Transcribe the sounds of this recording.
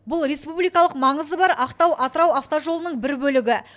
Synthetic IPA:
bʊlˠɾe̞spublijkɑlˠəqmɑɴəzəbɑɾɑqt̪ɑwʔɑt̪əɾɑwaft̪oʒo̞lˠənəɴbɪɾbɵlɪɡʲɪ

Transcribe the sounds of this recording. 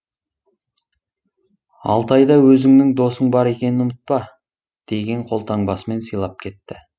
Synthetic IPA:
ɑ̰lˠt̪ɑjd̪ɑwɵzɪŋnɪŋd̪o̞səɴbɑɾe̞kʲe̞nɪnʊmət̪̚pɑ | d̪̥e̞ɡʲe̞ɴqʰo̞lˠt̪ʰɑɴbɑsəme̞nsəjlˠɑp̚kʲʰe̞t̪ːɪ

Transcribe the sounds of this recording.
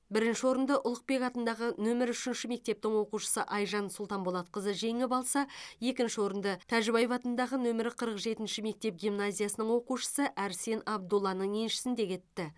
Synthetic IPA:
bɪɾɪnʃɪwo̞ɾənd̪ɑʔʊlˠəq̚pe̞kɑt̪ənd̪ɑʁənɵmɪɾʏʃɪnʃɪme̞k̚t̪e̞p̚t̪ɪŋwo̞quʃə̥səʔɑjʒɑnsʊlˠt̪ɑnbolˠɑt̪̚qəzəʒe̞ŋɪpɑlˠsɑje̞kʲɪnʃɪwo̞ɾənd̪ɑt̪ʰæʒɪbɑjfɑt̪ənd̪ɑʁənɵmɪɾɪqʰəɾəqʒe̞t̪ɪnʃɪme̞k̚t̪e̞p̚ɡʲimnazʲijasənəɴŋwo̞quʃə̥səʔæɾse̞nɑb̚d̪ulˠːɑnəɴe̞nʃɪ̥sɪnd̪e̞kʲʰe̞t̪ːɪ

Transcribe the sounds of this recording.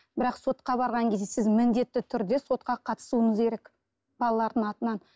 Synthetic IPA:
bɪɾɑqso̞t̪qɑbɑɾʁɑŋkʲʰe̞zd̪esɪzmɪnd̪e̞t̪ːɪt̪ʰʏɾd̪e̞so̞t̪̚qɑqʰɑt̪ə̥suəɴəze̞ɾe̞k | bɑlˠɑlˠɑɾd̪əɴɑt̪ənɑn

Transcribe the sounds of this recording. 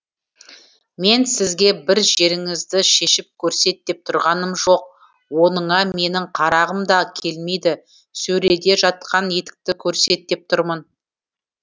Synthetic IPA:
me̞nsɪzɡʲe̞bɪɾʒe̞ɾɪŋɪzd̪ɪʃe̞ʃɪp̚kʲʰɵɾse̞t̪̚ːe̞p̚t̪ʰʊɾʁɑnəmʒo̞q̚ | wo̞nəɴɑme̞nɪɴqʰɑɾɑʁəmd̪ɑkʲʰe̞lme̞jd̪ɪ | sɵɾe̞d̪e̞ʒɑt̪̚qʰɑnje̞t̪ɪ̥k̚t̪ɪkʲʰɵɾse̞t̪ːe̞p̚t̪ʰʊɾmən

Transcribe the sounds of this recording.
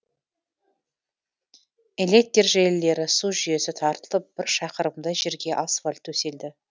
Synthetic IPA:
ele̞k̚t̪ːerʒelɪlːe̞ɾɪsuʒʏje̞sɪt̪ʰɑɾt̪əlˠəp̚b̥ɪɾʃɑqəɾəmd̪ɑʒeɾɡʲe̞ʔasfalʲt̪ʰːɵse̞ld̪ɪ

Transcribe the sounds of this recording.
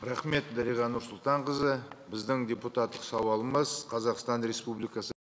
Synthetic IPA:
ɾæχme̞t̪̚d̪æɾijʁɑnʊɾsʊlˠt̪ɑɴqəzəbɪzd̪ɪŋd̪ʲeput̪ɑt̪ːəqsɑwɑlˠəməzqʰɑzɑqst̪ɑnɾe̞spublijkɑsə

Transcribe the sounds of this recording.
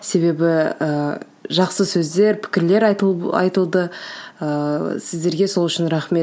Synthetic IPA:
se̞βe̞bɪə | ʒɑqsəsɵzd̪e̞ɾpʰɪ̥kʲɪɾle̞ɾɑ̰jt̪əlˠd̪əəsɪzd̪e̞ɾɡʲe̞solˠʏʃɪnɾaχme̞t̪

